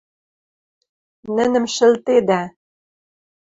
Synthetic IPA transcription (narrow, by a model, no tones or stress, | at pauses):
nɘ̆nɘ̆mʃɘ̆lt̪ed̪æ